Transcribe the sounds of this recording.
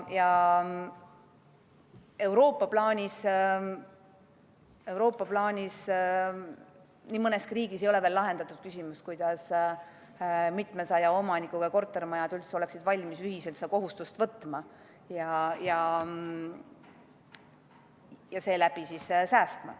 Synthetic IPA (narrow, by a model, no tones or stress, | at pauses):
jɑ | e̞wɾo̞ːpːˑɑplɑːnʲis | e̞wɾo̞ːpːˑɑplɑːnʲis | niːmɤneskriːɡ̥isejo̞le̞velːɑɦe̞nd̪̥ɑt̪ːˑud̪̥̚kysʲimust̪̚kujd̪̥ɑs | mit̪ˑmesɑjɑo̞mɑnikːˑuɡ̥ɑko̞rt̪ːˑe̞rmɑjɑd̪̥ylt̪seo̞le̞ksid̪̥vɑlʲmisyɦise̞lt̪se̥ɑko̞ɦust̪ust̪vɤt̪ːˑmɑ | jɑjɑ | jɑse̞ːlæb̥isissæːst̪mɑ̰